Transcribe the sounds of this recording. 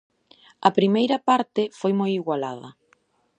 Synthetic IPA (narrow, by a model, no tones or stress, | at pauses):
ɐpɾimejɾɐpaɾt̪ɪfojmojiɣwala̰ð̞ɐ̰